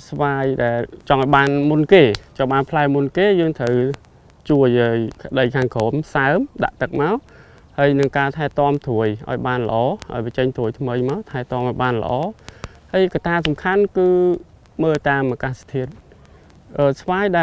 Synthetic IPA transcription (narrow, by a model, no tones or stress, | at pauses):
sʋaːjɗaɛlt͡ɕɑŋʔaɔjɓaːnmunkeːt͡ɕɑŋɓaːnpʰlaɛmunkeːjəːŋt̪ʰəw | t͡ɕuəjəːjkə̆ɗəjkʰaːŋkʰoːmsaəmɗa̰ʔt̪ɨk̚maɔ | həːjnɨŋkaːt̪ʰaɛt̪ŏəmt̪ʰuəjʔa̰ɔjɓaːnlə̆ʔɑːʔa̰ɔjpət͡ɕəŋt̪ʰuəjt̪ʰməjmaɔt̪ʰaɛt̪ŏəmʔaɔjɓaːnlə̰̆ʔɑː | həəjkat̪aːsɑmkʰankɨː | məːlt̪aːmʔaːkaːst̪ʰiət̪̚ | ʔəːsʋaːjɗaɛ